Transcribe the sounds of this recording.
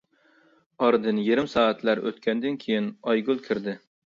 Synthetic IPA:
ɑɾd̪ɨnjeɾɪmsɑːæt̪læɾø̰t̪kʲʰɛnd̪ɪnkʲʰejinɑjɡulˠkʲʰɪɾd̪ɪ

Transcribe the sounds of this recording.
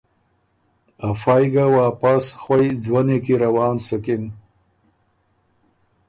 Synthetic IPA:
afajɡawɑːpasxwajd͡zwanek̬iɾawɑːnsʊkɪn

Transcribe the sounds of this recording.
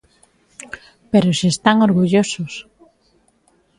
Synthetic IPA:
peɾosiest̪aŋoɾɣuʎosos

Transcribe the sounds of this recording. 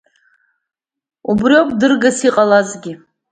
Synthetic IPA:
ubriokʰʼdɨrɡasiqʼalazɡʲi

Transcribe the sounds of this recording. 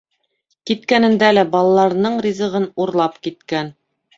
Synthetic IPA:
kit̪̚kænɘ̆nd̪ælæbɑlˠɑlˠɑɾnɤɴɾʲizɤ̆ʁɤnuɾlˠɑpkit̪kæn

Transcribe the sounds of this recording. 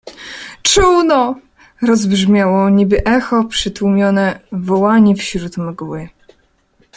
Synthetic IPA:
t͡ʂuwnɔ | ɾɔzbʐmʲjawɔɲibɘʔɛxɔpʂɘt̪wumʲjɔnɛvɔwaɲifɕɾut̪mɛɡuwɘ

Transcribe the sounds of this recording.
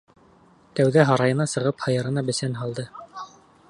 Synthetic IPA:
t̪æwðæɦɑɾɑjɤ̆nɑsɤ̆ʁɤphɑjɤ̆ɾɤ̆nɑbɘ̆sænɦɑlˠd̪ɤ

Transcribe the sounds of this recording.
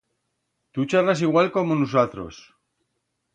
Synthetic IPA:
t̪ut͡ʃaras̬iɣwalko̞monus̬at̪ɾo̞̰s

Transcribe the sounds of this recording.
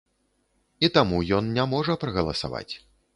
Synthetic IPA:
it̪amujɔnnʲamɔʐɐpɾɐɣɐlˠɐsa̰va̰t͡sʲ

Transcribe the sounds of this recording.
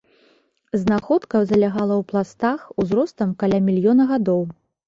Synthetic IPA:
znaxɔt̪kɐwzɐlʲaɣalˠɐwplˠast̪axuzɾɔst̪ɐmkalʲamʲilʲjɔnɐɣad̪ɔw

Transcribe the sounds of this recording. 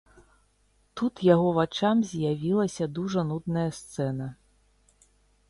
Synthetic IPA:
t̪ut̪jaɣɔvat͡ʂamzʲjavʲilˠɐsʲɐd̪uʐɐnud̪nɐjɐst̪sɛnɐ

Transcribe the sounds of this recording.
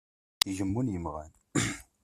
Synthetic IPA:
iʒəmːunjəmʁæ̰n

